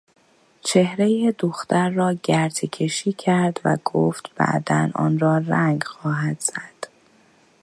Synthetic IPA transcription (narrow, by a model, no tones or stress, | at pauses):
t͡ʃʰe̞hɾe̞jed̪oxt̪æɾːɒːɟæɾt̪ʰecʰe̞ʃiːcʰæɾd̪væ̰ɡ̥oːft̪b̥æ̰ʔd̪æ̰nʔɒ̰ːnrɒːɾæŋɡxɒːɦæd̪̥z̥æd̪̥